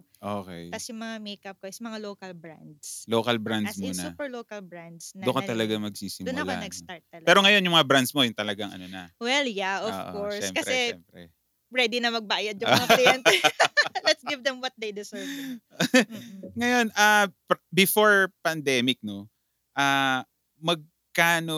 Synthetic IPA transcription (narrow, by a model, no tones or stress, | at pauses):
ʔoːkɛ̰jkɐsjʊŋmɐŋamejkɐp̚koʔɪsɐmɐŋaloːkɐlbɾand̪slokɐlbɾand̪smʊonɐuːpɛɹloːkɐlbɹand̪snɐokot̪ɐlɐɡamɐɡ̚siːsɪmʊnɐkloa̰nɐɡsaɹt̪ːɐlpɛːɾo̞ŋɐjo̞njʊŋmɐŋabɾand̪smo̞jʊŋt̪ɐlɐɡaŋɐ̰nonɐ̰wɛljaʔov̰ʔkoɹʃsɛmkɐsɛɛɛmpɾɛ̰ | pɾɛd̪ɪnɐmɐɡ̚baːjɐd̪̚jʊŋːmaiɛntɛlɛt̪sɡɪvd̪ɛmwɐt̪̚d̪ejd̪ɪsɛɹv | ŋɐjo̞napbɪfoɹpɐnd̪ɛmɪk̚no̞ | ʔaː | mɐɡ̚ | kaːno